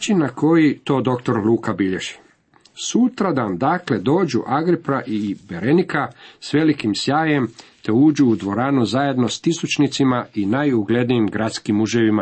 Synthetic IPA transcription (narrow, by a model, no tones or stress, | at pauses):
t͡ʃinːakʰo̞jit̪o̞ːd̪o̞kt̪o̞ɾlˠuːkabiʎeʒ̥i̥ | sut̪ɾad̪amd̪akle̞d̪o̞ːd͡ʑuʔaɡɾipɾaʔibe̞ɾe̞nikasʋe̞likimsjaːje̞mt̪e̞uːd͡ʑuːd̪ʋo̞ɾaːnuzaje̞d̪no̞st̪isut͡ʃnit̪simainajuɡle̞d̪nijimɡɾat̪skimuʒeʋima